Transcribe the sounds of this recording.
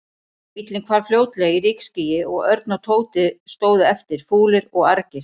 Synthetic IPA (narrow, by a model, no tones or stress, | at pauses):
mit̪lɪnkʰvaːɾ̥fljoːwt̪lɛɣirɪkscijɪɔɣœɾt̪̚nawt̪ʰoːwt̪ɪst̪oːwðɪɛft̪ɪɾ̥fuːlɪɾɔɣaɾcɪ̥